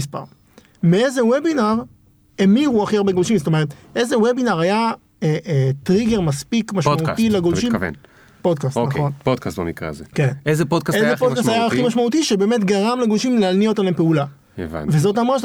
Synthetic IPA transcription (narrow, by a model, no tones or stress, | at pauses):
ispa̰ʁ | meezewebinaʁ | emiʁuaχiaʁbeɡolʃimzt̪o̞me̞ʁet̪ | e̞zewebinaʁaja | etʁiɡe̞ʁmaspikmaʃautilaɡolmʃimvḛn | pod̚kastonχonpod̪̚kastbo̰mikʁa̰zekenezepod̚kasezeodkasajaaχimaʃmaut̪iʃebe̞ːme̞t̪̬ɡaʁamleɡolʃimleaniotanlaempeula | ḛva̰nvezo̞tamʁaʃ